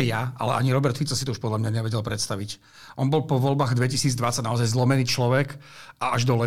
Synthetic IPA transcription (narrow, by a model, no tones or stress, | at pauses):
ɛjaʔa̰lɛ̰ʔa̰ɲiɾɔbɛɾt̪fit͡sɔsit̪ɔuʃpɔd̪lamɲaɲɛʋɛɟɛlpɾɛt̪st̪aʋic | ʔɔnbɔlpɔʋɔlbaːɣd̪ʋɛcisiːd͡zd̪ʋatt͡saɟnaɔzajzlɔmɛniːt͡ʃlɔʋɛkʔaʔaʒd̪ɔlɛ